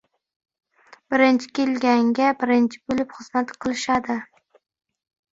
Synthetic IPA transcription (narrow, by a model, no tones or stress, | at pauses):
b̥ɪɾɪnt͡ʃʰɪ̥kʲelɡʲaŋɡʲabɪɾɪnt͡ʃʰɪ̥bolɪpχɨz̥mat̪qʰɨlˠɪʃad̪ɪ